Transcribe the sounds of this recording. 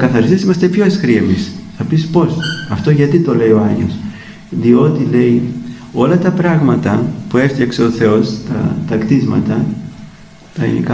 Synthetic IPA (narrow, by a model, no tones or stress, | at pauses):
kɐθɐɾist̪isimɐst̪e̞pço̞esxɾiemisθɐpispo̞sɐft̪o̞ʝɐt̪it̪o̞le̞io̞ɐɲʝeos | ðio̞t̪ile̞i | o̞lɐt̪ɐpɾɐɣmɐt̪ɐpue̞ft̪çɐkse̞o̞θe̞o̞st̪ɐ̰t̪ɐkt̪izmɐ̰t̪ɐ | t̪ɐḭnḭkɐ